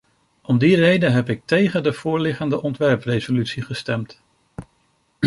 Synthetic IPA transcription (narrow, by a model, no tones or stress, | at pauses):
ʔɔmdirejdənɦɛpɪk̚tejχədəv̥ʊːɹlɪχəndəʔɔntʋɛɹprezolytsiχəstɛmt